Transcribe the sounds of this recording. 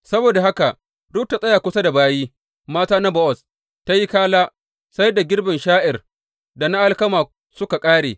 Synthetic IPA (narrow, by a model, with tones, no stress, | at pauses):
sɐ˦boː˨da˨ɦa˦ka˨ʔ | ɽʊ˦p̚ta˨sʼɐ˦ja˨kʷʊ˦sa˦da˨baː˦jiː˦ | maː˦taː˦na˦bɔ˦ʔɔ˨s | ta˦ji˦kaː˦laː˦ | sa˦jda˨ɡʲɪ˦rbɐ˨nʃaː˦ʔɪ˨r | da˨na˦ʔa˦lkɐ˦maː˨ | sʊ˦ka˨kʼaː˦ɽḛː˨